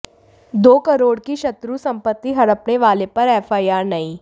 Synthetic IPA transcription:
d̪oːkɐɾoːɽkiʃɐt̪ɾusɐ̃mpət̪ːiɦɐɽəpneʋaːlepɐɾɛːfʰaːiaːɾnɐĩː

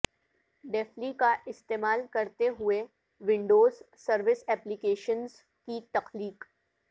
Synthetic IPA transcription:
ɖɛːflikaʔɪst̪eːmaːlkɐɾt̪eɦʊe | ʋɪ̃ɳɖoːz | sɐɾʋɪsɛːplikeːʃənz | kit̪ɐxliːk

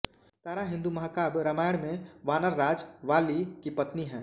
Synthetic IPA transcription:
t̪aːɾaɦɪ̃nd̪umɐɦakaːbɾɐmaːɽ̃mẽʋaːnəɾːaːd͡ʒʋaːlikipɐt̪niɦɛ̃ː

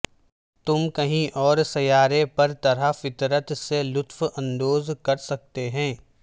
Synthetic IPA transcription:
t̪ʊmkɐɦĩʔɔːɾsɐjaːɾepɐɾt̪ɐɾafɪt̪ɾət̪selʊt̪fɐ̃nd̪oːzkɐɾsɐk̚t̪eɦɛ̃ː

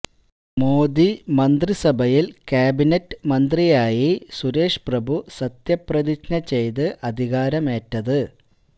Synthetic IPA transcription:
moːd̪imɐnd̪risɐbʱɐjilkjaːbinetːɨmɐnd̪rijaːjisuɾe̞ːʂprɐbʱusɐt̪jɐprɐðit͡ɕnɐt͡ɕːejt̪ɨʔɐd̪ʱiɣaːɾɐme̞ːtːɐðɨ

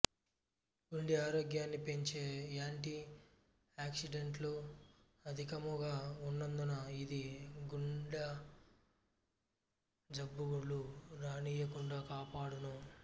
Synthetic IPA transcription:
ɡuɳɖiaːɾoːɡjaːnːipeɲt͡ʃeːjaːɳʈi | aːksiɖeɳʈloː | ɐd̪ʱikɐmuɡaːunːɐnd̪unɐid̪iɡuɳɖɐ | d͡ʒɐbːuɡuɭːuɾaːniːjɐkuɳɖaːkaːpaːɽunɐ

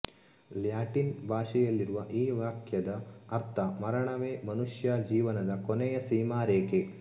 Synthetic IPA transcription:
ljaːʈinbʱaːʂɛjɐlːiɾuʋɐʔiːʋaːkʰjɐd̪ɐːɾt̪ʰɐmɐɾɐɳɐʋeːmɐnuʂjaːd͡ʒiːʋɐnɐd̪ɐkonɛjɐsiːmaːɾeːke

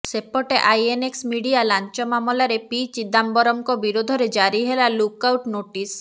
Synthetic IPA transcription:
sepɔʈeʔajeneksmiɖialant͡ʃɔmamolaɾepit͡ʃid̪ambɔɾɔmkɔbiɾod̪ʱɔɾed͡ʒaɾiɦelalukawʈnoʈis

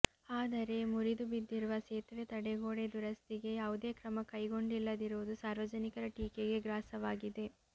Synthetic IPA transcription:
aːd̪ɐɾe̞muɾid̪ubid̪ːiɾuʋɐseːt̪ʋet̪ɐɽeɡoːɽed̪uɾɐst̪iɡe̞jaːʋud̪eːkɾɐmɐkɐjɡo̞ɳɖilːɐd̪iɾuʋud̪usaːɾʋɐd͡ʒɐnikɐɾɐʈiːkeɡe̞ɡɾaːsɐʋaːɡid̪e̞

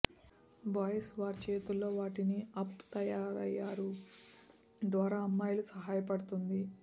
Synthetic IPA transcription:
baːjɐsʋaːɾt͡ʃeːt̪ulːo̞ːʋaːʈiniɐpt̪ɐjaːɾɐ̰jːaːɾu | d̪ʋaːɾaːɐmːaːjulusɐɦaːjɐpɐɽut̪und̪i

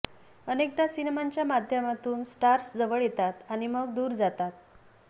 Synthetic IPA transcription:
ənek̚d̪asinemaɲt͡ɕjamad̪ʱjəmat̪uːnsʈaɾsd͡zəʋəɭjet̪at̪aɽ̃iməɡ̚d̪uːɾd͡zat̪at̪̚

